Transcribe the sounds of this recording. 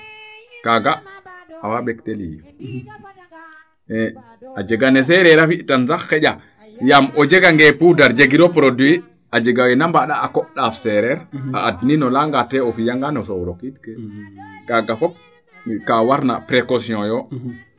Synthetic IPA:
kaɡaawaɓɛkteli | ɛ | ad͡ʒeɡanɛs̬ɛɾɛɾafiʔtansakːɛɟa | jamɔd͡ʒeɡaŋɡɛpudaɾd͡ʒeɡiɾɔpɾodwi | ad͡ʒeɡawɛnambaɗaːkɔɗafɛɾɛɾa̰ʔadninɔlaŋɡatɛɔfijaŋɡanɔsɔwɾokitkɛkaɡafɔp̚ | kawaɾna̰pɾekosiɔ̃jɔ

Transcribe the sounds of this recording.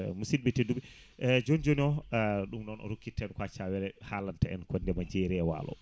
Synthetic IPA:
musilɓɛtedːuɓɛ | d͡ʒond͡ʒoniɔɗumɗɔnɔ̰ɾokːitːɛnkwat͡ʃawɛɾɛhalantaɛ̰nkʰɔndɛmad͡ʒeɾiawa̰ːlɔ̰

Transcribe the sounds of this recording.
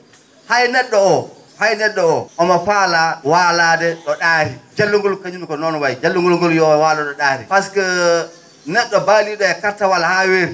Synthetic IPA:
hajnɛɗːɔɔ | hajnɛɗːɔɔʔɔmafaːlawaːlaːdɛɗɔɗaːhid͡ʒalːuŋɡɔlkaɲunukɔnɔnwajd͡ʒalːuŋɡɔlŋɡɔljɔwalaɗɔɗaːhipaskɛ | nɛɗːɔbaliɗɔɛkatːawalahaweɾ

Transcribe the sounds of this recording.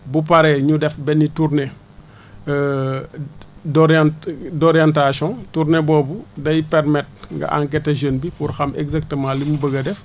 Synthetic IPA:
bup̬aɾɛɲudɛfbɛnːiturnɛ | dɔɾandɔɾjantasɔ̃tuɾnɛbɔːbudɐjipɛrmɛt̚ŋɡɐ̰ʔa̰ŋk̬ɛtɐʒənbipurxɐmɛ̰ɡzak̚təmãːlimubəɡɐdɛf

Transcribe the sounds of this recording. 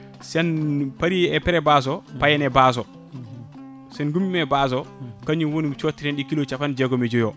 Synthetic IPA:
sɛnpaɾiɛpɛɾɛbaːs̬ɔpajɛnɛbaːs̬ɔ | sɛnɡumimɛbaːs̬ɔkaɲuwonimt͡ʃotːiɾɛnɗikilot͡ʃafand͡ʒɛɡomed͡ʒojo

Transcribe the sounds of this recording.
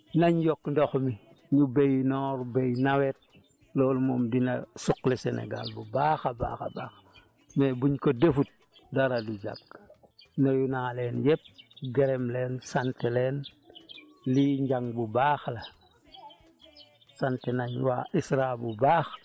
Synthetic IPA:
naɲjokndoxmi | ɲubejnɔɾbejnawet̚ | loːlmoːmdina̰suklisenḛɡa̰lbubaːxaba̰ːxa̰baːx | mebuɲkodefut̚ | daɾadud͡ʒa̰k̚ | najunaːleːnjep̚ɡeɾemleːnsanteleːn | liɲɟaŋbubaːxla | santenaɲwa̰ːʔisɾabubaːx

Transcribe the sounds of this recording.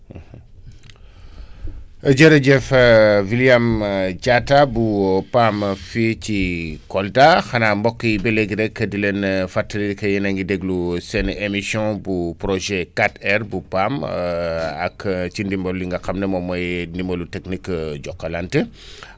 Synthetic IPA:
ɐɟɐɾɐɟɛfviljamɟatabupamficikɔldaxɐnambɔkːjibɛleɡiɾɛkːədilenfatːəliikɐjɛnɐŋɡidɛɡlusɛnemisjɔ̃bupɾoʒɛkatɛɾbupam | ɐkt͡ʃindimbolːiŋɡɐkamnɐmɔmɔjnimɐluteknikːɟɔkːɐlantə

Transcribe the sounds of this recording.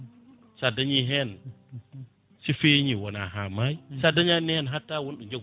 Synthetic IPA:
t͡ʃadaɲiɦen | sifeɲiwona̰ɦamajsadaɲanihenɦatːawonɗuɲd͡ʒe

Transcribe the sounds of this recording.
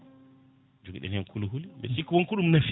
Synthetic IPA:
d͡ʒuɡiɗɛ̰nɛnkʰuluɦulibɛ̰sikːwɔŋkuɗumnaf

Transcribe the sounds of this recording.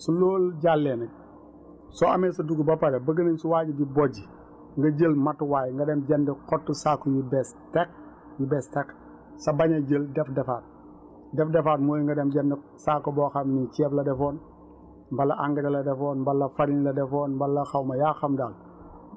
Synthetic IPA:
suloːlɟalːɛːnɐ | sɔɐ̰mɛːsɐduɡubɐpɐɾɛbɐɡəninsuwaːɟibibɔɟi | ŋɡɐɟəlmɐtwaːjŋɡɐdɛmɟɛndiqɔtːusaːkːɔjubɛstɛk̚ | jubɛstɛk | sɐbɐɲɐɟəldɛfdɛfaːt̚ | dɛfdɛfaːt̚mojŋɡɐdɛmɟɐndi | saːkːɔbɔːxɐmnit͡ʃɛːflɐdɛfoːn | mbɐlɐʔaŋɡɐɾɐlɐdɛfɔːnmbɐlːɐfaɾinlɐdɛfɔːnmbɐlːɐxɐwmɐjaːxɐmdaːl

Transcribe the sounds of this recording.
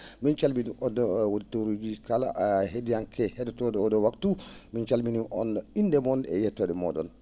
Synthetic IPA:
mint͡ʃalminiʔɔdɔwoditoɾud͡ʒikala̰ʔɦedijankʰɛhɛdɛtɔdɛɔdɔwaktumint͡ʃalminiʔɔnindɛmɔnɛ̰jɛtːɔdɛmɔ̰dɔ̰n

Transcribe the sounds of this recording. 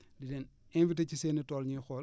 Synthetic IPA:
didɛːn | ɛnvitɐciseːnːitɔːlɲixɔːl

